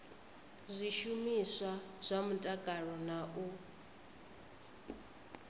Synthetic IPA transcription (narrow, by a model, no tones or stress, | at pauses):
zʷiʃumisaz̥ʷamutʼakʼaɺɔnaʔu